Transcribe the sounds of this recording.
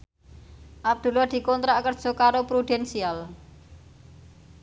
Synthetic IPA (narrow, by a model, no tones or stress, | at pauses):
ʔab̚d̪̥ṳlɔd̪̥i̤kɔnt̪ɾaʔkərd̥ʒ̥o̤kaɾopɾud̪̥ɛnsial